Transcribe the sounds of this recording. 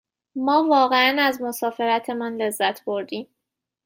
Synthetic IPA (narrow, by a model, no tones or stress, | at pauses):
mɒːvɒːɣe̞ænæzmosɒːfe̞ɾæt̪ʰe̞mænle̞zːæt̪ʰb̥o̞ɾd̪iːm